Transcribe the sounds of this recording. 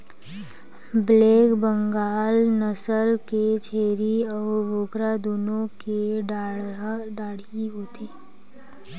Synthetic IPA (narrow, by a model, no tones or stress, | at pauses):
bleːkbə̃ŋɡaːlnəsəlket͡ʃʰeːɾiɔːɾboːkɾad̪uːnõkeɖ | ɖaːɽ̤iɦoːt̪iː